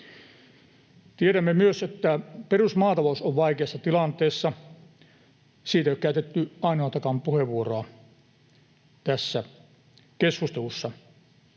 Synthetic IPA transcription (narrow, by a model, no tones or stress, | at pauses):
t̪ieɾæmːemyøset̪ːæperusmɑːt̪ɑloˑusoʋʋɑikeɑsːɑt̪ilɑnt̪ˑeːsːɑ | siːt̪æjokæyt̪et̪ːyɑinoɑt̪ɑkɑmpuheʋʋuoroɑ | t̪æsːæ | keskust̪elusːɑ